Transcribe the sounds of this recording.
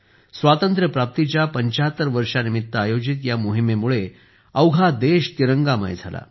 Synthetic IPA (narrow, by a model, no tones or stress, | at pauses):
sʋat̪ənt̪ɾəpɾap̚t̪it͡ɕjapəɲt͡ɕaɦət̪ːəɾʋəɾʂanimit̪ːəajod͡ʑit̪jamoɦimemuɭe | əwɡʱad̪eɕt̪iɾəŋɡamə̰jd͡zʱa̰la̰